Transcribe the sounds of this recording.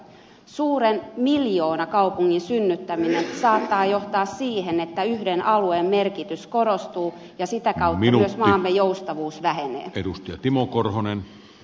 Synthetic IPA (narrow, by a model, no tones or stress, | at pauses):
suːɾenmiljoːnɑkɑupuŋːinsynːyt̪ːæminensɑːt̪ːɑːjoht̪ɑːssiːhenet̪ːæyhdenʔɑlueːmmerkit̪ysko̞rost̪uː | jɑsit̪ækɑut̪iɑyøsmɑːmːejoust̪ɑʋuːsʋæhenḛːedust̪ijɑ̰t̪imokorhonen